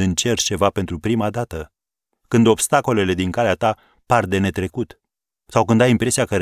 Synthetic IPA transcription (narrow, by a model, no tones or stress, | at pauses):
ɨnt͡ʃe̞rt͡ʃe̞vape̞nt̪ɾupɾimad̪at̪ə | kɨnd̪o̞bst̪ako̞le̞le̞d̪iŋkaleat̪a | pard̪e̞ne̞t̪ɾe̞kut̪ | sawkɨnd̪ajimpɾe̞siakə